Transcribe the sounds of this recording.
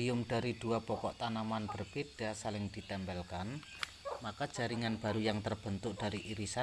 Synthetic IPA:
ijʊmd̥a̤ɾid̥uapɔkɔʔt̪anamanb̥ərb̥ed̥asalɪŋd̪̥i̤t̪ɛmbɛlkan | makḁd͡ʒ̥a̤ɾiŋanb̥a̤ɾujaŋt̪ərb̥ənt̪ʊʔ̚d̥a̤ɾiʔiɾisa

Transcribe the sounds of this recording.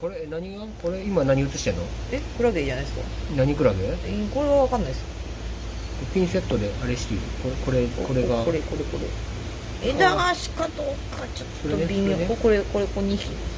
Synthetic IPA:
ko̞ɾenaɲ̟iɡako̞ɾe̞imanaɲ̟iɯ̟t͡sɨ̥ɕi̥t̪enːoekɯ̟ɾaɡed͡ʑanaisɨ̥ka̰naɲ̟ikɯ̟ɾaɡeiko̞ɾe̞βaβakãnːaisɨ̥ | kopʲĩɰ̃se̞t̪ːo̞d̪e̞ʔaɾeɕi̥t̪iɾɯkoko̞ɾeko̞ɾe̞ɡakoɾekoɾeko̞ɾḛ | ed̪aaɕi̥kad̪oːkʰːat͡ɕot̪oɾobʲiokoɾeko̞ɾekoɲ̟ʲiçʲi

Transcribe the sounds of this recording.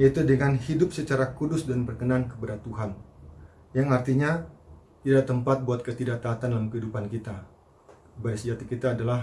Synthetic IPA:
jait̪udəŋanhidʊp̚sət͡ʃaɾakudʊsdanbərkənankəbəɾat̪ːuɦan | jaŋart̪iɲa | t̪idaʔt̪əmpat̪̚buat̪̚kət̪idaʔt̪aːt̪andalamkəɦidupankit̪a | baɾisəd͡ʒat̪ikit̪aːdalah

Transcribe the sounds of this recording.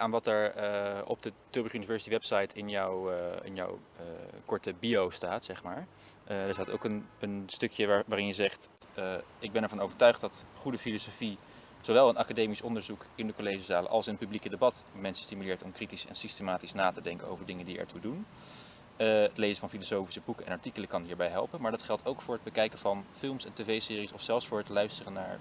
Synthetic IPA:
ʔaːnʋɑtɛɹɔ̰b̚dətøɹbχynivɛɹsi̥tiʋɛpsɑjtʰɪnjɔwɪ̰njɔ̰wəkɔɹtəbiowstaːtsɛχmaːɹ | dəɹsaːto̰wkənənstɵkjəaʋaːɾɪnjəzɛχtː | ɪɡ̚bɛnɛɹvɑnowvəɹtœɥχtdɑtχudəfilosofi | z̥owʋɛlˠənɑkadejmisɔndəɹzukɪndəkolejʒizaːlə̰ʔɑ̰lˠsɪnəpyblikədebɑtmɛnsə̥stimylɪːɹtɔmkritisɛ̰nsistemaːtisnaːtədɛŋkə̰no̰wvəɹdɪŋəndiɛ̰ɹtudun | ətlejzənvɑnfilosowfi̥səbukəɛ̰nɑɹtikələkɑnɦiːɹbɛjɦɛ̰lˠpənmaːɹdɑtχɛlˠtʰowkfʊːɹɦəd̚bəkɛjkəvɑnfɪlˠmsɛntevejsɪːrisɔfsɛlˠfsfʊːɹɦətlœɥstərəna̰ːɹ

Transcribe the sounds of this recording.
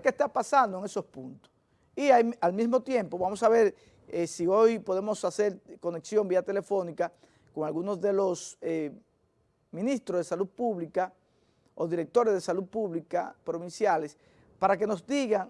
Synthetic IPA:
kest̪apasand̪oeŋeso̞spunt̪o̥s | iaalmismo̞t̪je̞mpo̞βamosaβe̞ɾ | esio̞jpo̞ðemo̞sase̞ɾko̞ne̞ksjo̞mbiat̪e̞le̞fo̞nika | ko̞ŋalɣunozðe̞lo̞se | mĩnist̪ɾozðe̞saluð̚puβlika | oðiɾe̞k̚t̪o̞ɾe̞zðe̞saluð̚puβlikapɾo̞βinsjales | paɾak̬e̞no̞zd̪iɣaŋ

